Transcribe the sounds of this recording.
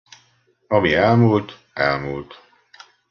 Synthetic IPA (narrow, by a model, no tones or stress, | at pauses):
ɒmiɛlmult̪ | ɛlmuːlt̪